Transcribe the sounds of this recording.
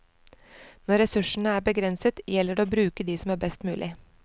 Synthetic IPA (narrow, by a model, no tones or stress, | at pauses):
nɔɾɛsʉʂɳ̩əæːɾbəɡɾɛnsət̪jɛlːəɖeoːbɾʉːkəd̪iːsɔmæːɾbɛst̪mʉ̰ːlʔɪ